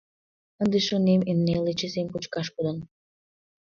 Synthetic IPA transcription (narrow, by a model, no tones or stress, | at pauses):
ənd̪eʃonemenːelet͡ɕesemkut͡ɕkɑʃkud̪ən